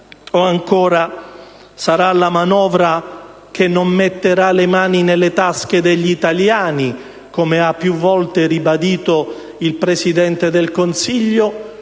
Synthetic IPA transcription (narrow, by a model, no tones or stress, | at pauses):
oaŋkoːɾa | saɾalamanɔːvɾa | k̟enːomːet̪ːeɾalemaːninelːet̪ask̟ed̪eʎːit̪aljaːni | komeapːjuvːɔlt̪eribad̪iːt̪o | ilpɾesid̪ɛnt̪ed̪elkonsiʎːo